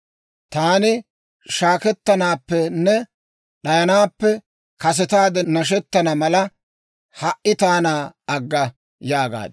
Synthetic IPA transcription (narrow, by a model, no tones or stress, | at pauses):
t̪aːnɪ | ʃaːkɛt̪ːɐnaːpːɛnːɛ | ɗɐjɐnaːpːɛ | kɐs̬ɛt̪aːd̪ɛnɐʃ̬ɛt̪ːɐnɐmɐlɐ | hɐʔːɪt̪aːnaːɐɡːɐ | jaːɡa̰ːd̪